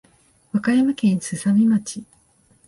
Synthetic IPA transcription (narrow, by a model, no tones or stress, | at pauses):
βakajamakẽ̞ñsɨsamʲimat͡ɕi